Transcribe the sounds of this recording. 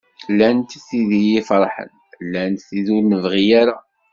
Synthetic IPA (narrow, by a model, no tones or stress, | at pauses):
lːænt̪θiðijifɾˤħə̰n | lːænθiðuɾnəvʁijaɾa